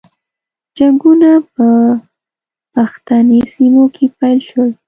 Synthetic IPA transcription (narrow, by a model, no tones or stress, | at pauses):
d͡ʒaŋɡunapə | paxt̪anesimokʰepajlʃwəl